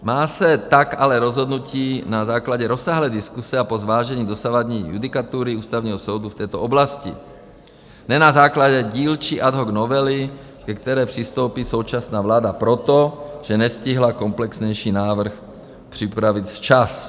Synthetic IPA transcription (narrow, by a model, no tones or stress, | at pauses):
maːsɛt̪akalɛɾɔzɦɔd̪nuciːnazaːklaɟɛɾɔsːaːɦlɛːd̪iskusɛapɔzʋaːʒɛɲiːd̪ɔsaʋad̪ɲiːjṵd̪ikat̪uːɾiuːst̪aʊɲɛːɦɔsɔwd̪uft̪ɛːt̪ɔɔblascḭ | nɛnazaːklaɟɛɟiːlt͡ʃiʔad̪ɦɔɡnɔʋɛli | kɛkt̪ɛɾɛːpr̥ist̪owpiːsowt͡ʃasnaːʋlaːd̪apɾɔt̪ɔʒ̥ɛɲɛsciɦlakɔmplɛksɲɛjʃiːnaːʋr̩x | pr̥ipɾaʋicft͡ʃas